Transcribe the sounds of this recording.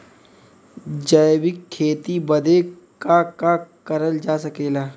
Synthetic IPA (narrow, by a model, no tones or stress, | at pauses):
d͡ʒəjbɪkʰːeːt̪ibɐd̪e | kakakɐɾəld͡ʒaːsɐkeːlaː